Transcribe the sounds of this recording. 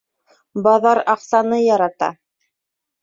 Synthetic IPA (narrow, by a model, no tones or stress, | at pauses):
bɑðɑɾɑqsɑnɤjɑɾɑt̪ɑ̰